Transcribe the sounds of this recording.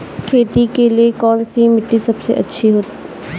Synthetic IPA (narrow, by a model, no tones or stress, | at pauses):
kʰeːt̪ikeliekɔːnsimɪʈːisɐbsḛʔɐ̰tːʃʰiɦoːt̪ː